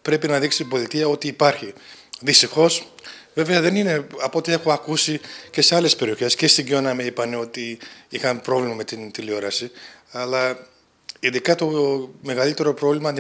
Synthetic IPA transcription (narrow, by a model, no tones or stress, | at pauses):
pɾe̞pinɐðiksit̪ibo̞θit̪iɐo̞t̪iːpɐɾçiðist̪ixo̞sve̞ve̞ɐðe̞nine̞ɐpo̞t̪ie̞xo̞ɐkusice̞se̞ɐle̞spe̞ɾio̞çe̞sce̞st̪iɟo̞nɐmeipɐne̞o̞t̪iixɐnpɾo̞vlimɐme̞t̪int̪ilio̞ɾɐsiɐlɐ | inðikɐt̪o̞me̞ɣɐlit̪e̞ɾo̞pɾo̞vlimɐnd̪